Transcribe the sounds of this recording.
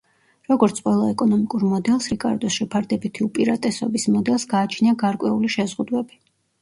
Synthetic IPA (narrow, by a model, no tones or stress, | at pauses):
ɾɔɡɔɾt̪sʰqʼwɛlˠaɛkʼɔnɔmikʼuɾmɔd̪ɛlˠsɾikʼa̰ɾd̪ɔsʃɛpʰaɾd̪ɛbit̪ʰiupʼiɾat̪ʼɛsɔbismɔd̪ɛlˠsɡaːt͡ʃʰniaɡaɾkʼwɛuliʃɛzʁud̪wɛbi